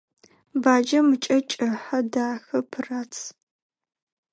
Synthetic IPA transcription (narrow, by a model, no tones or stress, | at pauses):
baːd͡ʒɐmɨt͡ʃʼɐt͡ʃʼɨħɐdaːxɐpʰɨraːt͡sʰ